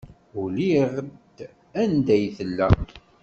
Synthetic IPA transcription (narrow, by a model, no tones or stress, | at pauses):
uliʁəd̪ | ænd̪æjθəlːæ